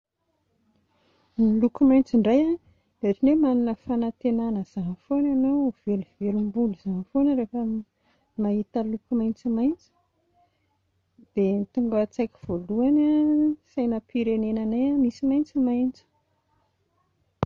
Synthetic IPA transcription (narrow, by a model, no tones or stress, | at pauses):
nilukumajnt͡siɳɖ͡ʐaja | eʈ͡ʂinemaninəfanat̪enanəz̥aɦfonanawv̥eluvelumbuluz̥aɦfonəɾefə | mait̪əlukumajnt͡simajnt͡sə̥ | d̪̥et̪uŋɡət͡sajkʲi̥v̥oluanasajnəpiɾenenanajamisimajnt͡simajnt͡sə̥